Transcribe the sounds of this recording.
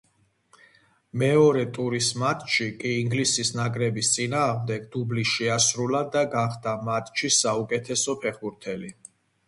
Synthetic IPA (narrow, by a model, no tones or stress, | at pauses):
mɛɔɾɛt̪ʼuɾismat̪ʼʃikʼiːŋɡlisisnakʼɾɛbist̪sʼinaːʁmd̪ɛɡd̪ubliʃɛasɾulad̪aɡaχd̪amat̪ʼʃisaukʼɛt̪ʰɛsɔpʰɛχbuɾt̪ʰɛli